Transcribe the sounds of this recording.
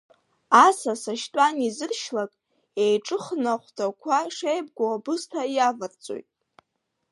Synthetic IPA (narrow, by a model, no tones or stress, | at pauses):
asasaʃtʷʼanizɨrʃlakʼ | ejʈ͡ʂʼɨχnaχʷtʰakʷʰaʂejb̚ɡʷoabɨstʰajavart͡sʼo̰jtʼ